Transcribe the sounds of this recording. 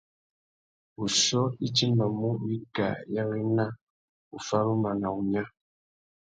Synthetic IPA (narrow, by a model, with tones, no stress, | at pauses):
u˨sɔ˦i˦t͡ʃi˦mba˨mu˦wi˦ka̰˨ja˦wi˦na˦ | u˨fa˦ɾu˦ma˨na˨u˨ɲa˦